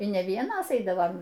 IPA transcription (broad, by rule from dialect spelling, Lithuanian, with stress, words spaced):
iː nʲɛ ˈʋʲiɛnoːs ˈɛɪdɐʋɐm